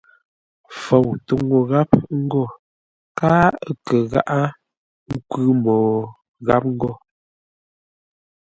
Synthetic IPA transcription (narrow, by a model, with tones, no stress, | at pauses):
fɔ˨wtu˨ŋo˨ɣa˦pŋ̩˦ɡɔ˦˨ | kaː˦kə˨ɣa̰˦ʔa˦ | ŋ̩˦kʉ˦mɔː˨ | ɣa˦p̚ŋ̩˦ɡɔ˦˨